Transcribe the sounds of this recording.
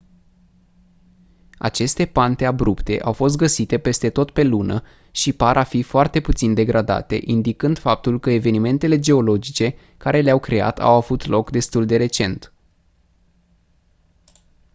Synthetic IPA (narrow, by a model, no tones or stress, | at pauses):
a̰t͡ʃe̞st̪e̞pant̪e̞abɾupt̪e̞̰ʔawfo̞s̬t̪̚ɡəsit̪e̞pe̞st̪e̞t̪o̞t̪pe̞lunə | ʃipaɾʔafifoart̪e̞put̪sind̪e̞ɡɾad̪a̰t̪e̞̰ʔind̪ikɨnd̪̥fap̚t̪ulkəe̞ve̞nime̞nt̪e̞le̞d͡ʒe̞o̞lo̞d͡ʒit͡ʃe̞ | kaɾe̞leawkɾe̞a̰t̪ʰa̰wavut̪lo̞kd̪e̞st̪uld̪e̞ɾe̞t͡ʃe̞nt̪